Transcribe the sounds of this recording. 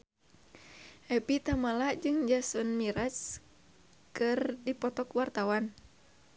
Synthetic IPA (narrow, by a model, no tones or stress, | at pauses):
ʔɛpit̪amalad͡ʒɨŋd͡ʒasɔnmiɾas | kɨrdipɔt̪ɔkwart̪awan